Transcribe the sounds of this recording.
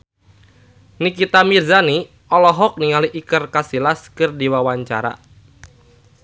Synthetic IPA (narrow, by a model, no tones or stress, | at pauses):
nikit̪amirzani | ɔlɔɦɔk̚niŋaliʔikərkasilaskɨrdiwawaɲt͡ʃa̰ɾa̰